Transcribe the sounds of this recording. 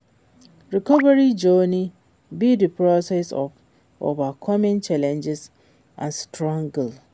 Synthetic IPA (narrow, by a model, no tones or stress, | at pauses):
ɾikʰɔbaɾid͡ʒonĩ | bidipʰɾɔsɛsɔ̰f | o̰vakʰɔmɛ̃nt͡ʃʰalɛ̃nd͡ʒɪs | ã̰nstɾɔ̃ŋɡl